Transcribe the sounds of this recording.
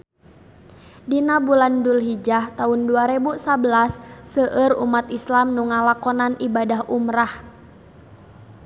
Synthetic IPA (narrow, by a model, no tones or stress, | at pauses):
dinabulandulɦid͡ʒaht̪aunduaɾebusabəlasːəʔərṵmat̪islamnuŋalakɔnanibadaɦʔumɾah